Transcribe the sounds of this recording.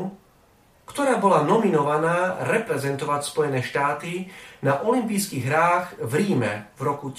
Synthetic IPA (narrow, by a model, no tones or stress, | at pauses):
kt̪ɔɾaːbɔlanɔminɔʋanaːɾɛpɾɛzɛnt̪ɔʋacspɔjɛnɛːʃt̪aːt̪inaʔɔlimpiːskiɣɦɾaːɣvɾiːmɛ̰vɾɔku